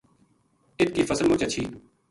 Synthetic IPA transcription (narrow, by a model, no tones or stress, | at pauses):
ɪt̪̚kiːfʰəsəlmoːt͡ʃət͡ʃʰiː